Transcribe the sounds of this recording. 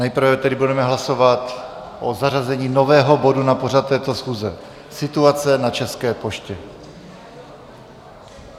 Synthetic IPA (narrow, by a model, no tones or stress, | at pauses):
nɛjpr̩vɛt̪ɛdɪbudɛmɛɦlaso̞vat̪ | ʔozarazɛɲiːnovɛːɦo̞bo̞dunapo̞rat̪t̪ːɛːt̪osxuːzɛ̰ | sɪt̪uat͡sɛnat͡ʃɛskɛːpo̞ʃcɛ